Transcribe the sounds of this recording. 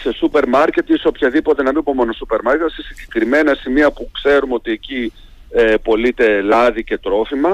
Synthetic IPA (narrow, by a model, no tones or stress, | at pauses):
se̞supe̞ɾmɐɾce̞t̪iso̞pçɐðipo̞t̪e̞nɐmipomo̞nosupe̞ɾmɐɾcet̪sesiɲɟe̞kɾime̞nɐsimiɐpukse̞ɾumeo̞t̪ie̞ci | epo̞lit̪e̞lɐðice̞t̪ɾo̞fimɐ